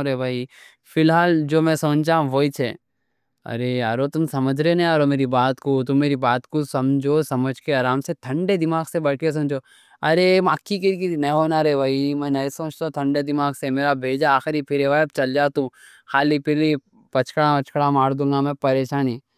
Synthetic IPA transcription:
ɾebʱaːi | fɪlɦaːld͡ʒoːmɛ̃sɐmt͡ʃd͡ʒaːɦũɦoːit͡ʃʰe | ɐ̰ɾeaːɾot̪ʊmsɐməd͡ʒʱɾenɛ̃aːɾomeːɾibaːt̪kot̪ʊmːeːɾibaːt̪kosɐmd͡ʒʱosɐməd͡ʒʱkeaːɾaːmset̪ʰɐ̃ɳɖed̪ɪmaːɡsebɐɽkes̬ɐmd͡ʒo | ɐɾemaːkːik̬iɾkiinɐ̃jɦoːnaɾebʱaːimɛ̃nɐisɐːt͡ʃt̪õt̪ʰɐ̃ɳɖed̪ɪmaːɡsemeːɾabʱeːd͡ʒaːxɾipʰɪɾeʋajb̚t͡ʃɐld͡ʒaːt̪ũ | xaːlipʰɪɾli | pɐt͡ʃkɽãpɐt͡ʃkɽãmaːɾd̪ũːŋɡamɛ̃pɐɾeːʃaːni

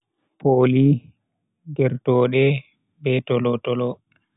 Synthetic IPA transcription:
poli | ɡɛɾtɔːɗɛ | bɛtɔlɔtɔlɔ

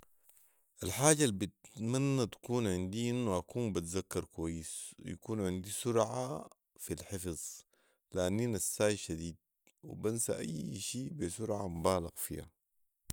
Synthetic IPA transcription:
ʔalħaːɟalbit̪manːat̪ḁkuːnʕɪnd̪iʔinːuʔakuːmbat̪zakːɑɾˤkwajːisw̰ja̰kuːnʕɪnd̪isʊɾʕa | filħɪfzˤ | lʔanːiːnasːaːjʃad̪iːd̪̚ | wḭbansa̰ʔa̰jːʃiːbisʊɾʕamubaːlaɣfḭːha̰

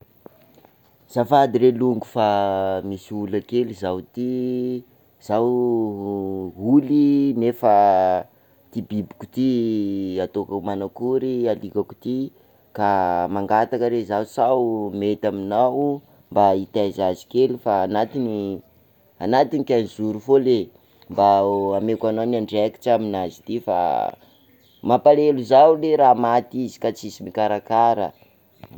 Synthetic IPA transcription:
z̥afad̪iɾeluŋɡufamisiulakelizawt̪i | z̥aw | ulinefa | t̪ibibi̥ku̥t̪i | at̪okamanakuɾialikaku̥t̪i | kamaŋɡat̪akəɾezawsawmet̪aminaw | mbait̪azazi̥kelifaːnat̪ini | anat̪inikʲanizuɾufole | mbaamekananaɳɖ͡ʐɛki̥ʈ͡ʂaminazi̥t̪ifa̰ | mapaleluzawleɾaːmat̪izi̥kat͡sisimikaɾakaɾə̰

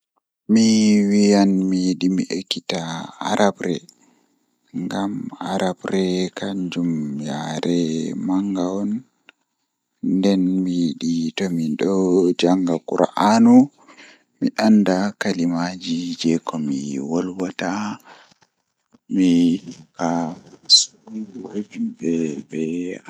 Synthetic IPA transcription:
miwijanmiɗimiʔekːitaa̰ɾʔabɾɛ | ŋɡamaɾabɾɛkaɲd͡ʒumjaɾɛmaŋɡawɔn | dɛnmiɗitɔmiɗɔd͡ʒaŋɡakuɾa̰ʔanu | miʔandakalimad͡ʒid͡ʒɛkɔmiwɔlwata | mikasubibɛbɛ

